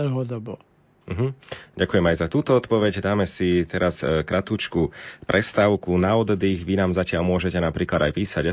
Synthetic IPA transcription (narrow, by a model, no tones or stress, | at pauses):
lɦɔd̪ɔbɔ | m̩ɦm̩ɟakujɛmajzat̪uːt̪ɔɔt̪pɔʋɛɟd̪aːmɛsit̪ɛɾaskɾʔat̪uːt͡ʃkupɾʔɛst̪aʊkunaɔd̪d̪iɣʋinaːmzacɪaʎmʊɔʒɛcɛnapɾiːklad̪ajpiːsaɟ